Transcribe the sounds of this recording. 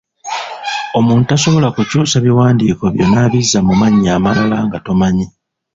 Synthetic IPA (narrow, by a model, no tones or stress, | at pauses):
o̞muːntutaso̞βo̞lakucuːsaβiwaːndiːko̞βjo̞naːβizːamumaɲːaːmalalaŋɡato̞maɲi